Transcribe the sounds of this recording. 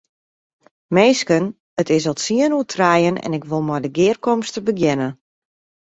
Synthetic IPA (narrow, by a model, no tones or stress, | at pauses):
meːskən | ətɪs̬ɔtsiənuətʰrajənɛ̰nɪkʋolˠmɔjdəɡɪːrkɔmstəbəɡjɛnə